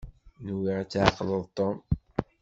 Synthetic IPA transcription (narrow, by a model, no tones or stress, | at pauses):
nuwiʁæt͡sːʕəqːələðˤt̪ˤːom